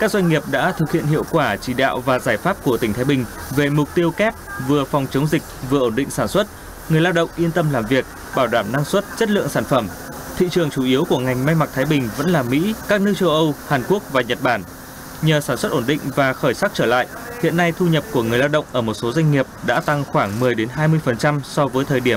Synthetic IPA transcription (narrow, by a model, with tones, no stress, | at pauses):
kaː˦˥k̚zwa˧jŋ̟ŋi˨˩əp̚ɗa̰ː˧˥t̪ʰɨ˨˩k̚hḭ˧˨ənhḭ˧˨əwkwaː˧˩t͡ɕi˧˩ɗa̰ː˧˨wvaː˨˩zaː˧˩jfaː˦˥p̚ku˧˩ət̪ï˩ŋ̟t̪ʰaː˨˦jɓï˨˩ŋ̟ | ve˨˩mʊ˨˩k͡p̚t̪i˧əwkɛ˦˥p̚vɨ˨˩əfɔ˨˩wŋ͡mt͡ɕə˨˦wŋ͡mzï˨˩k̚vɨ˨˩əʔo˧˩nɗḭ̈˧˨ŋ̟saː˧˩nswə˦˥t̚ | ŋɨ˨˩əjla˧wɗə̰˧˨wŋ͡mʔi˧ənt̪ə˧mlaː˨˩mvi˨˩ək̚ | ɓaː˧˩wɗaː˧˩mna˧ŋswə˦˥t̚t͡ɕə˦˥t̚lɨ̰˧˨əŋsaː˧˩nfə˧˩m | t̪ʰḭ˧˨t͡ɕɨ˨˩əŋt͡ɕu˧˩ʔi˨˦əwku˧˩əŋa˨˩jŋ̟ma˧jma˨˩k̚t̪ʰaː˨˦jɓï˨˩ŋ̟və̰˧˥nlaː˨˩mḭ˧˥kaː˦˥k̚nɨ˦˥t͡ɕə˧wʔə˧whaː˨˩nku˦˥ək̚vaː˨˩ɲə˨˩t̚ɓaː˧˩n | ɲəː˨˩saː˧˩nswə˦˥t̚ʔo˧˩nɗḭ̈˧˨ŋ̟vaː˨˩xəː˧˩jsaː˦˥k̚t͡ɕəː˧˩la̰ː˧˨jʔ | hḭ˧˨ənːa˧jt̪ʰu˧ɲə˨˩p̚ku˧˩əŋɨ˨˩əjlaː˧wɗə̰˧˨wŋ͡mʔəː˧˩mo˨˩t̚so˨˦za˧jŋ̟ŋi˨˩əp̚ɗa̰ː˧˥t̪a˧ŋxwaː˧˩ŋmɨ˨˩əjɗe˨˦nɦaː˧jmɨ˧əjfə˨˩nt͡ɕa˧msɔ˧vəː˨˦jt̪ʰəː˨˩jɗi˧˩əm